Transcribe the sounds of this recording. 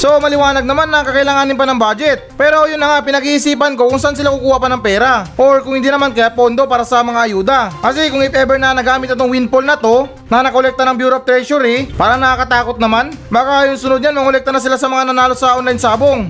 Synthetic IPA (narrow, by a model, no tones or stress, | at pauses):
so̞mɐlɪwaːnɐɡ̚nɐmanːɐŋkɐkɐɪlaːŋaːnɪnpɐnɐŋbaːd͡ʒɛt̪̚pɛːɾo̞jʊnːɐŋapɪnɐɡiːʔɪsiːpɐnko̞kʊŋsɐʔans̬ɪlakukuːhɐpɐnɐŋpɛːɾaʔoɹkʊŋhɪnd̪iːnɐmankɐjapo̞nd̪o̞paːɾɐsɐmɐŋaʔɐjuːd̪ɐkɐsikʊŋɪpʔɛbɛɾnɐnɐɡaːmɪt̪ɐt̪oŋwinpolnɐt̪o̞ | nɐnɐkolɛk̚t̪ɐnɐŋbjuːɾoɐp̚t̪ɾɛʃʊɾipaːɾɐnɐkakɐt̪aːko̞t̪̚nɐmanbaːkajʊŋsʊnod̪ɲanmɐŋkolɛk̚t̪ɐnɐsɪlasɐmɐŋanɐnaːlosɐʔonlajnsaːbo̞ŋ